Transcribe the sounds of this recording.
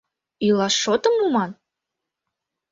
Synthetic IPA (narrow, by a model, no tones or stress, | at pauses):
ylɑʃːot̪əmumɑn